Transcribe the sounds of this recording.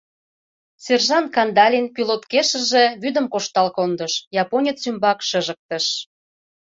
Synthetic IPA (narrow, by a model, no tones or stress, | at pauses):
serʒɑnkɑnd̪ɑlʲinkylot̪keʃə̆ʒe̽βyd̪ə̆mkoʃt̪ɑlkond̪əʃjɑponʲət͡symbɑkʃə̆ʒə̆k̚t̪ə̆ʃ